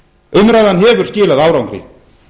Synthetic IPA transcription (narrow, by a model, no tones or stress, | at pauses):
ʏmɾajðanɦɛːvʏɾ̥scɪːlaðaːwɾawnŋkɾḭ